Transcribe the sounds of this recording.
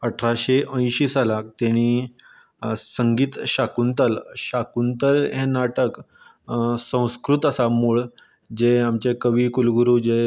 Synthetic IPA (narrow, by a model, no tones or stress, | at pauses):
əʈʰɾaɕeʔə̃j̃ɕiːsalak̚t̪aɽ̃iː | səŋɡiːt̪ɕakunt̪əlɕakunt̪əlɦenaʈək | sə̃w̃skɾut̪əsamuːɭ | d͡ʑeamt͡ɕekəʋiːkulɡuɾuːd͡ʑe